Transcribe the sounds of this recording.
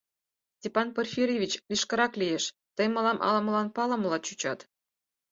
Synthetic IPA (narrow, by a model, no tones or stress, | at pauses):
sʲtʲepɑnperʲfʲirʲevʲit͡ɕlʲiʃkɤ̆ɾɑklʲijeʃ | t̪ə̆jmɑlɑmʔɑ̰lˠɑ̆məlɑnpɑlɑm̆lˠɑt̪t͡ɕut͡ɕɑt̪